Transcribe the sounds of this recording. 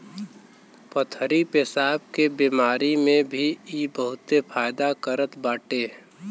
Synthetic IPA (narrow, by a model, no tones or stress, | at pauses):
pət̪ʰəɾipɪsaːb̚kebiːmaːɾimẽbʱiibəɦʊt̪epʰaːjd̪akəɾət̪baːʈeː